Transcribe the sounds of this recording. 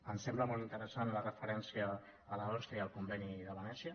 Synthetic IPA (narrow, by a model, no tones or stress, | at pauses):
ənsɛmbləmɔlˠt̪int̪əɾəsanlərəfəɾɛnsiəː | ləɔst̪ɾiəlˠkumbɛniðəβənɛsiə